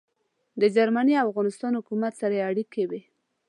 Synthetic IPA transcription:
d̪əd͡ʒaɾmaniafɣɑnɪst̪ɑnhʊkumat̪saɾajeaɽikewi

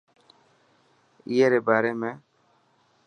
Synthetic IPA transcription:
ijeɾebaːɾemẽ

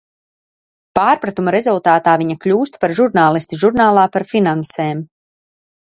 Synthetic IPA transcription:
paːɾpɾat̪umaɾezulˠt̪aːt̪aːviɲaklʲuːst̪paɾʒuɾnaːlˠist̪iʒuɾnaːlˠaːpaɾfinanseːm

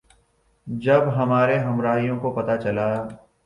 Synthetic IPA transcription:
d͡ʒɐbɦɐmaːɾeɦɐmɾaːɦijõkopɐt̪at͡ʃɐla

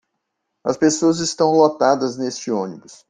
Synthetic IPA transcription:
ɐ̰spesoɐzɪst̪ɐ̃w̃lot̪ad̪ɐznest͡ʃɪõnibʊs

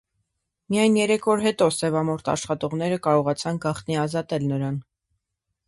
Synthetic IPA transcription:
mijɑjnjɛɾɛkʰvɔɾɦɛt̪ɔsɛvɑmɔɾt̪ʰɑ̰ʃχɑt̪ɔʁn̪ɛɾəkɑɾɔʁɑt͡sʰɑnɡɑχt̪niɑzɑt̪ɛlnəɾɑn

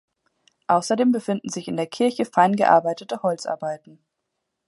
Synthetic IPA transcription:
ʔaʊsɐdeːmbəfɪndn̩zɪçɪndeːɐkʰɪɐçəfaɪnɡəʔa̰ɐbaɪtətəhɔlt͡sʔa̰ɐbaɪtn̩

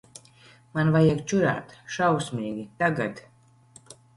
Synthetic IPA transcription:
manvajekt͡ʃuɾa̰t̪ʃawsmʲiːɡʲit̪aɡat̪

